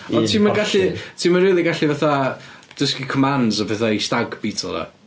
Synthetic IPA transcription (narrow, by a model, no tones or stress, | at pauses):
ɔntʰiːmənɡaɬitʰiːmənriːlˠiɡaɬivaθad̥əskikʰɔmandzɔpʰɛθaistaɡbiːtʰɔlˠɾa̰